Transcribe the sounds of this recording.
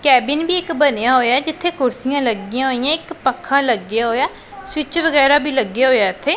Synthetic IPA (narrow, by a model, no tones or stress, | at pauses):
kɛːbɪnbiːɪkbənejaːɦoːjaːɛd͡ʒɪt̪ʰːeːkʊɾsɪjãːləɡɪjãːɦoːijãːɪkpəkʰːãːləɡjaːɦoːjaː | sɪt͡ʃʋəɡɛːɾaːbiːləɡjaːɦoːjaːɪt̪ʰːeː